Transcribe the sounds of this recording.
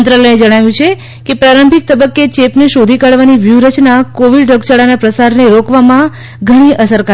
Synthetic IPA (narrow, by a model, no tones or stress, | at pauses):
nt̪ɾələjed͡ʒəɽ̃aʋjũt͡ʃʰe | kepɾaɾəmbʱik̚t̪əbəkːet͡ʃepneʃod̪ʱikaɽʋaniʋjuɾət͡ʃnakoʋiɖɾəɡt͡ʃaɽanapɾəsaɾneɾokʋamã | ɡʱəɽ̃iʔəsəɾka